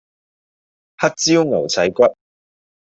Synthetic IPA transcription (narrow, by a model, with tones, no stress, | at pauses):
hɐ˥t̚t͡siː˥wŋɐ˨˩wt͡sʰɐ˨˥jkʷɐ˥t̚